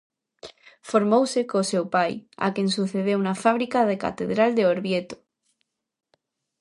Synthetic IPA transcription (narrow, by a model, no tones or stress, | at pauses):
foɾmowsekosewpaja̰kjẽnsuθeð̞eunafaβ̞ɾikaðeka̰t̪eðɾald̪eoɾβjet̪o̥